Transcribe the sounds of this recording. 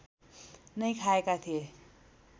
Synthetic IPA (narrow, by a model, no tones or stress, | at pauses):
nʌjkʰaekat̪ʰije